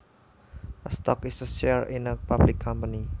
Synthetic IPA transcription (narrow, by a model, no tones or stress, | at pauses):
ʔəst̪ɔkisəsɛɹinəpablɪkʰːɔmpəni